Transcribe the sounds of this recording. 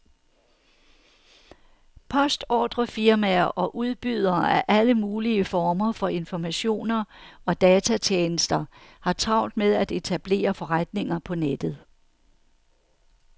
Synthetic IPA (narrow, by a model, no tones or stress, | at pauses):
pʰɒ̽sd̥ɒ̰ːd̥ʁɐfiɐmæɐʔɒ̽ʔuð̞ˠb̥yð̞ˠɐːʔæʔæləmuːliəfɒːmɐfɒ̽e̝nfɒmæɕo̝̰ːnɐɒ̽d̥ɛːt͡sʰæt͡ɕʰjeːnəsd̥ɐhɑ̈t͡sʰʁɑ̈ʊnd̥með̞ˠæd̥e̝t͡sʰæb̥le̝̰ːɐfɒ̽ʁad̥ne̝ŋɐpʰɒ̽ned̥ð̞̩ˠ